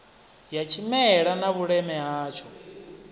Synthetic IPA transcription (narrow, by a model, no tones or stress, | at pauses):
jat͡ʃʰimɛɺanaβuɺɛmɛɦaːt͡ʃʰɔ